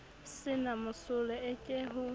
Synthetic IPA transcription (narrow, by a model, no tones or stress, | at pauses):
sɪnamʊsʊlɛɛt͡ʃʼeɦʊ